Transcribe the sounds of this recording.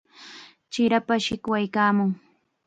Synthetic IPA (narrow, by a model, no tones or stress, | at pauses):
t͡ʃɪɾapaʃɪkwajkaːmʊŋ